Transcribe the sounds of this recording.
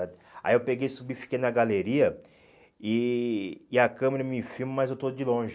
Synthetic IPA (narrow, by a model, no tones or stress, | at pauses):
ad̪ɪa̰iewpeɡejsubifi̥kejnɐɡaleɾiɐ | ɪː | ɐkɐ̃meɾɐmĩfimɐmɐzewt̪od͡ʒɪlõʒ